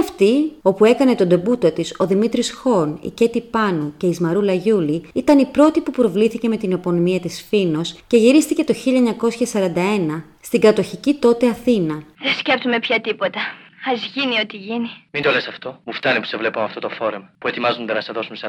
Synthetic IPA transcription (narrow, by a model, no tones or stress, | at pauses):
ɐft̪io̞pue̞kɐne̞t̪o̞nd̪o̞but̪o̞t̪iso̞ðimit̪ɾisxo̞nḭce̞t̪ipɐnuce̞izmɐɾulɐʝuliit̪ɐnipɾo̞t̪ipupɾo̞vliθice̞me̞t̪inopo̞nomiɐt̪isfino̞sce̞ʝiɾist̪ice̞t̪o̞çiʎɐeɲɐko̞sçɐsɐɾɐnd̪ɐe̞nɐ | st̪iŋɡɐt̪o̞çicit̪o̞t̪e̞ɐθinɐðescept̪umepçɐt̪ipo̞t̪ɐɐzʝinio̞t̪iʝinimind̪o̞lesɐft̪o̞muft̪ɐnipu̥se̞vle̞pumɐft̪o̞t̪ofo̞ɾemɐpue̞t̪imɐzund̪enɐseðo̞sums